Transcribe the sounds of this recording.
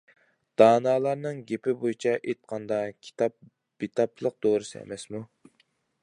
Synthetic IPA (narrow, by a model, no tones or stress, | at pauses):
d̪̥ɑːnɑːlˠɑɾnɨŋɡʲepɪbojit͡ʃʰɑʔet̪̚qʰɑnd̪ɑkʲʰi̥t̪ɑp̚ | b̥it̪ʰɑp̚t͡ʃʰlˠəq̚d̪oːɾɨsɨḛmɛsmu